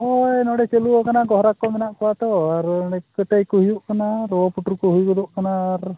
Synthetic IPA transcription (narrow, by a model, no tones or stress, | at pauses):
ɔjnɔɽɛt͡ʃeluɔkanaɡɔɦɾakːɔmɛnaʔkɔwat̪ɔaɾɔɽɛkəʈajkuɦujuʔkanaɾɔɔpuʈuɾkɔɦujukɔd̪ɔʔkanaːɾ